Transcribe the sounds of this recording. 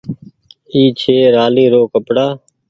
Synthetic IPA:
iːt͡ʃʰeːɾaːliːɾoːkəpɽaː

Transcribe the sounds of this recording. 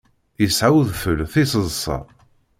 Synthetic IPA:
jəsʕawðfəlθisəzˤsˤɑ̰

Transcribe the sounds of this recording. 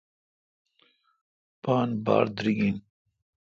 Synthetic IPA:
paːnba̰ːɾd̪ɾiɡin

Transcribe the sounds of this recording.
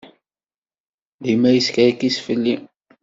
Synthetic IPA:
ðimæjəskɾikisfəlːi

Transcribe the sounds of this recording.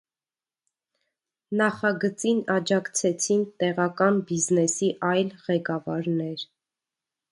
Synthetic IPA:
nɑχɑɡət͡sinɑd͡ʒɑkt͡sʰɛt͡sʰint̪ɛʁɑkɑnbiznɛsiʔɑjlʁɛkɑvɑɾnɛɾ

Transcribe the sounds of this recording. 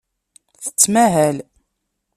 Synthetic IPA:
θə̥t͡sːmæɦæl

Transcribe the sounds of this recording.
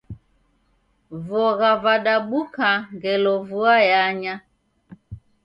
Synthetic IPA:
vɔɣavaɗaɓukaŋɡɛlɔvuajaɲa

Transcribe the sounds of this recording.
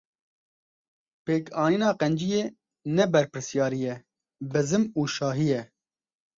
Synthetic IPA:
peːkʰɑːniːnɑːqɛnd͡ʒijeː | nɛbɛɾpɨɾsjɑːɾijɛ | bɨzɨmuːʃɑːɦijɛ

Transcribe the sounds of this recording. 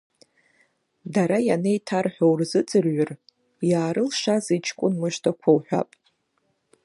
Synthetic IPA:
daɾajanejtʰarħʷᶣowrzɨt͡sʼɨrɥʊr | jaːɾɨlʂazit͡ʃʰkʷʼʊnmɨʃtʰakʷʰawħᶣʷa̰pʼ

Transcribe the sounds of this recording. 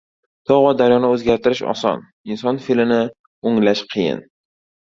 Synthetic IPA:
t̪ʰɒʁvɒd̪aɾjɒnaɵzɡʲaɾt̪ʰɪɾɪʃɒ̰sɒ̰n | ɪnsɒnfilɪnɪ | oŋlaʃqʰɨjɪ̰n

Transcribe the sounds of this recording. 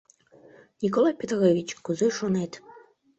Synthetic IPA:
nʲikolˠajpʲet̪ɾevʲit͡ɕkuzeʃonet̪

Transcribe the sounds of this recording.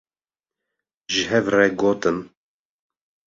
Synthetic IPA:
ʒɨɦɛvrɛɡoːt̪ɨm

